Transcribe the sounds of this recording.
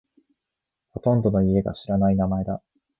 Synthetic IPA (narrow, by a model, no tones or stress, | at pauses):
ho̞t̪õ̞nd̪o̞no̞ie̞ɡa̰ɕiɾanainamae̞d̪a